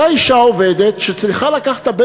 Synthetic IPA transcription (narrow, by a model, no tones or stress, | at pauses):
aiʃaove̞d̪et̪ʃet͡sliχalakaχḁt̪abe